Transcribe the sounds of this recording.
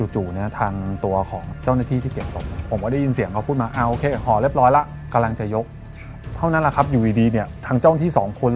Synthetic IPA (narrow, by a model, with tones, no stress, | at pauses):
t͡ɕuː˨˩t̪̚juː˨˩na˦˥ɐt̪ʰaː˧ŋt̪u˧ɐkʰɔː˩˦ŋt͡ɕa˥˩wnaː˥˩t̪ʰiː˥˩t̪ʰiː˥˩ke˨˩p̚so̰˨˩mn˥˩pʰo˩˦mkɔ˧˩da˥˩ji˧nsi˩˦əŋka˧pʰuː˥˩t̪̚maː˧ʔaː˧˩ʔoː˧kʰeː˧hɔː˨˩le˥˩p̚ɾɔː˦˥jla˧˥ | ka˧la˧ŋt͡ɕa˨˩jo˦˥k̚ | t̪ʰa˥˩wna˦˥nla˨˩kʰa˦˥p̚juː˨˩iː˧diː˧ni˥˩ɐt̪ʰaː˧ŋt͡ɕa˥˩wn˧˥t̪ʰiː˥˩sɔː˩˦ŋkʰo˧n